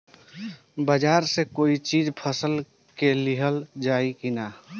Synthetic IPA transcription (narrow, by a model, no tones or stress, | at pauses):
bəd͡ʒaːɾsekoːit͡ʃid͡ʒpʰəsəl | keliɦəld͡ʒaikina